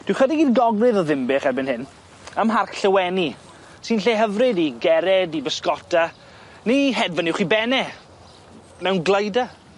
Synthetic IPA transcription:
d̥wɪwχədɪɡiðɡɔɡrɨðɔðɪmbɪχɛrbɪnhɪn | əmɦarkɬəwɛni | sinɬeːɦəvrɨdiɡɛɾɛdibəskɔtʰa | niɦɛdvənɪwχibɛnɛ | mɛwnɡlˠəjda

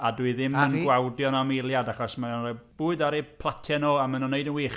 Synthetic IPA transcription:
adwɨðɪmənɡwawdjɔnamelˠjadaχɔsmaɛb̥uːɨdaɾipʰlˠatʰɛnoːamənɔneɨdənwiːχ

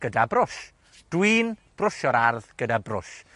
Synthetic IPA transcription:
ɡ̥ədabrʊʃ | d̥winb̥rʊʃɔɾarðɡ̥ədabrʊ̰ʃ

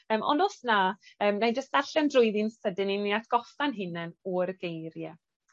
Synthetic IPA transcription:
əːmʔɔ̰nʊsnaəːmnajd͡ʒəstaɬɛndrʊɨðinsədɪniniatʰɡ̥ɔfanɦɪnɛnɔrɡejɾjɛ

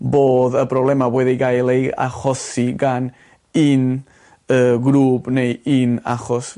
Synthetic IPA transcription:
boːðəbrɔblɛmawɛðiɡajlˠeja̰χɔsiɡan | in | əɡɾuːbnejina̰χɔs

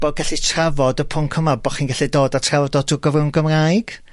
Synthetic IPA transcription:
b̥oɡaɬitʰravɔdəpʰʊŋkʰəmabɔχiːnɡaɬidoːdatʰravɔdoːtʰʊɡɔvrɪwnɡəmrajɡ̥

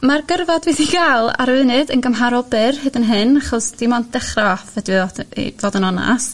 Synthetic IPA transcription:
marɡərvadviθiɡalˠa̰ɾvɨnɨdənɡəmɦaɾɔbɨrhɨdənɦɨnaχɔsd̥imɔnd̥ɛχrafədiḭvoːdənɔna̰s

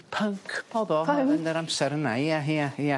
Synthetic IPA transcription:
pʰəŋkʰbɔðɔɛəndəɾamsɛɾənaiaɦiaia

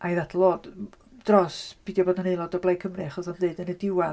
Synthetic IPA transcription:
ʔajðatʰlˠoːd | d̥rɔsb̥idjɔboːdnanejlˠɔdɔblajkʰəmrɨaχɔsanndeɨdənədɪwɛ

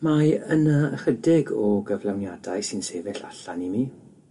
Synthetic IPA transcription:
maənaəχədɪɡɔɡəvlˠawnjadajsɪnseːvɛɬa̰ɬanimiː

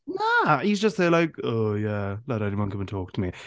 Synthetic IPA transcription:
næizd͡ʒʌstseɪlaɪkojælaɾɛniwʌ̃nkʌ̃mɪ̃ntʰɔˑk̚tʰəmi

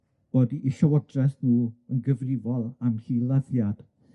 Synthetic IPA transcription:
b̥oːdiʔiɬawɔdrɛθnuːənɡəvrɪvɔlˠamhilˠaðjad̥

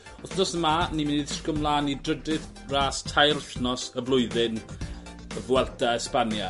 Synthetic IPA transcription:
ɔθdɔsəmanimɪnɪðsɡɔmlˠaːnidrədɪð | raːstʰajrɬnɔsəvlˠʊɨðɪn | əvwɛlˠdaɛspanja

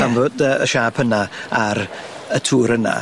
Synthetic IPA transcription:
anvodəəʃaːpʰənaaɾ | ətʰuːɾəna̰

